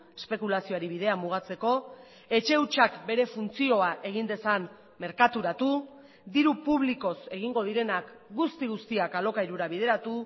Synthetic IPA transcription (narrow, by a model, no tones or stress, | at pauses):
espe̞kulasio̞aɾiβiðe̞amuɣ̞at͡se̞ko̞ | e̞t͡ʃe̞uwt͡ʃakbe̞ɾe̞funt͡sio̞aʔe̞ɣ̞ind̪e̞san | me̞ɾkat̪uɾat̪u | d̪iɾupuβ̞liko̞se̞ɣ̞iŋɡo̞ð̞iɾe̞nak | ɡust̪iɣ̞ust̪iakalo̞kaiɾuɾaβ̞iðe̞ɾat̪u